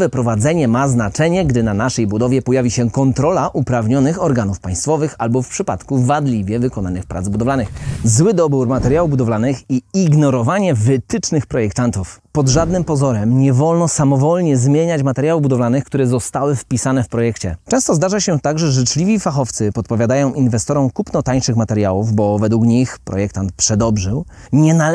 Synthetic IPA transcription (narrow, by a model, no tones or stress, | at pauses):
vɛpɾɔvad̪zɛɲɛmaznat͡ʂɛɲɛɡd̪ɘnanaʂɛjbud̪ɔvʲjɛpɔjavʲiɕɛkɔnt̪ɾɔlaʔupɾavɲɔnɘxɔɾɡanufpaj̃st̪fɔvɘxalbɔfpʂɘpa̰t̪kuvad̪lʲivʲjɛvɘkɔnanɘxpɾad̪zbud̪ɔvlanɘxzwɘd̪ɔbuɾmat̪ɛɾjawubud̪ɔvlanɘxiiɡnɔɾɔvaɲɛvɘt̪ɘt͡ʂnɘxpɾɔjɛk̚t̪ant̪ufpɔd̪ʐad̪nɘmpɔzɔɾɛmɲɛvɔlnɔsamɔvɔlɲɛzmʲjeɲat͡ɕmat̪ɛɾjawubud̪ɔvlanɘxkt̪uɾɛzɔst̪awɘfpʲisanɛfpɾɔjɛkt͡ɕɛ̰t͡ʂɛ̃w̃st̪ɔzd̪aʐaɕɛt̪aɡʐɛʐɘt͡ʂlʲivʲifaxɔft̪sɘpɔt̪̚pɔvʲjad̪ajɔ̃w̃ʔinvɛst̪ɔɾɔmkupnɔt̪aɲʂɘxmat̪ɛɾjawuvbɔvɛd̪wukɲixpɾɔ̰jɛk̚t̪ant̪̚pʂɛd̪ɔbʐɘw | ɲɛna